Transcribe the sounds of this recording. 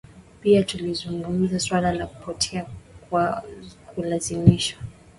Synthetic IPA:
piatulizuŋɡum̩zaswalalaku̥pɔtʰɛakwakʰulazimiʃwa

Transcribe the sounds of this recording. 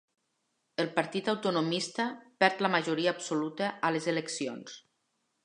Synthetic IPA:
əlˠpaɾt̪it̪awt̪unomist̪əpɛɾt̪ləmaʒuɾiaːbsolut̪əʔalezeleksions

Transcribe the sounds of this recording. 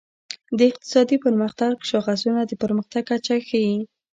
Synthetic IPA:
d̪əɪq̚t̪ɪ̥sɑd̪ipəɾməxt̪aɡʃɑɣazunad̪əpəɾməxt̪aɡ̚kːat͡ʃaxaji

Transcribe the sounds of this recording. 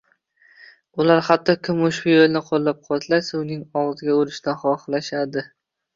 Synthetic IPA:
ʊlaɾhat̪ʰːɒkʲʰɪmʊʃbɪjolˠnɪqʰolˠːap̚qʰɒt̪ʰlasaʊnɪŋɒʁzɪɡʲaʊɾɪʃd̪anχɒχlaʃad̪ɪ

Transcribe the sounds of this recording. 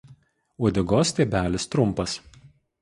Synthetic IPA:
ud̪ʲɪɡoːsʲt̪ʲeːbʲæːlʲɪst̪ɾʊmˑpɐs

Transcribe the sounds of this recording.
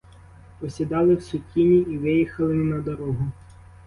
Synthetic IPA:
pɔsʲid̪ɑlˠɪwsʊkʲinʲiːʋɪjixɐlˠɪnɐd̪ɔɾɔɦʊ

